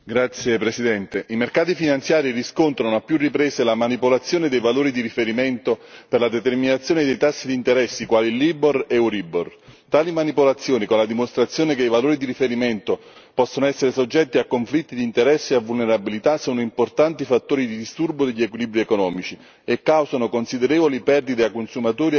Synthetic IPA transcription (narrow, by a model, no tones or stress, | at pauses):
ɡɾat̪sːjepɾesid̪ɛnt̪eʔimerkaːt̪ifinant̪sjaːɾiriskont̪ɾanoapːjurːipɾeːselamanipolat̪sːjoːned̪ejvaloːɾid̪iɾifeɾimɛnt̪operlad̪et̪erminat̪sjoːned̪ejt̪asːid̪int̪eɾɛsːikwaːliliboreuɾibort̪aːlimanipolat̪sːjoːnikonlad̪imost̪ɾat̪sːjoːnekejvaloːɾid̪iɾifeɾimɛnt̪o | pɔsːonoɛsːeɾesod͡ʒːɛt̪ːiakːoɱflit̪ːid̪iːnt̪eɾɛsːeavːulneɾabilit̪asɔːnoimport̪ant̪ifat̪ːoːɾid̪id̪ist̪urbod̪eʎːiekwilibɾiekonɔːmit͡ʃi | ekːawzanokonsid̪eɾɛːvolipɛrd̪id̪eakːonsumat̪oːɾi